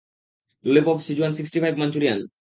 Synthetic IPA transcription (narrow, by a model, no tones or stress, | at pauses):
ulepɔbsid͡ʑuansiksʈifʰajbmant͡ɕuɾian